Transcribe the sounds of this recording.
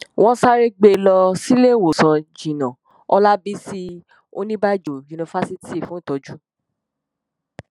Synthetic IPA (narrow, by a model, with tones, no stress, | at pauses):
w̃ʔɔ̃˦sa˦ɾe˦ɡ͡be˧lɔ˧si˦le˦˨wo˨sã˧d͡ʒĩ˨nã˨ | ɔ˧˦la˦bi˦si˦ | o˦nĩ˦ba˦˨d͡ʒo˨ki˧nõ˧fa˦si˦ti˦˨fũ˨˦ĩ˦˨tɔ˨˧d͡ʒu˦